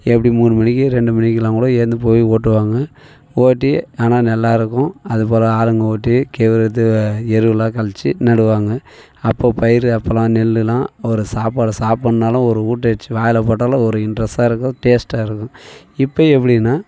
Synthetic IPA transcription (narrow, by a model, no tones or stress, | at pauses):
ɛpːɐɽimuːnɯmɐnɪkːɯɾɛɳɖɯmɐnɪkːɯlãːŋkɯɽoːeːɾnd̪ɯp̬oːjioːʈːɯʋaːŋɡɐ | oːʈːiaːnaːnɛlːaːɪɾɯkːʊ̃ɐðɯpoːlɐaːlɯŋɡɐoːʈːikeːʋɪɾɐt̪ːɯɛɾɯʋɯlãːkɐlt͡ʃːɯnɐɽɯʋaːŋɡɐ | ɐpːoːpɐjɪɾɐpːɐlãːnɛlːɯlãːɔɾɯsaːpːaːɽɯsaːppːɐɳnaːlɐ̃ɔɾɯuːʈːɐɛt͡ʃːɯʋaːjɐlɐpoːʈːaːlɐ̃ɔɾɯɪɳɖɾɐsaːɪɾɯkːʊ̃ʈeːsʈaːɪɾɯkːʊ̃ | ɪpːɐːɛp̬ːɐɽinːaː